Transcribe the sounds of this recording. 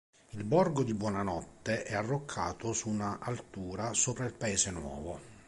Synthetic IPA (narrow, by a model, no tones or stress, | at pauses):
ilbɔrɡod̪ibwɔːnanɔt̪ːeʔɛarːokʰːa̰ːt̪osunaʔalt̪uːɾasoːpɾailpaeːzenwɔ̰ːvo